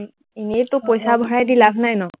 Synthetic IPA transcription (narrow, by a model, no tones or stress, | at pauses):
inetʊpojsabʱɔɹajdilabʱnajnɔ